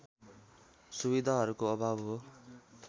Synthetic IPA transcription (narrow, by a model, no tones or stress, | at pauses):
subid̪ʱaɦʌɾukoʌbʱabɦo